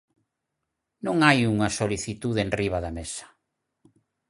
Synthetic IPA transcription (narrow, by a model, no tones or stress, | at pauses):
nõŋajuŋɐsoliθit̪uðeenriβ̞aðamesḁ